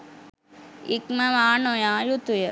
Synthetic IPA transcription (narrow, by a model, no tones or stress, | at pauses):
ikmɐʋaːnojaːjut̪ujɐ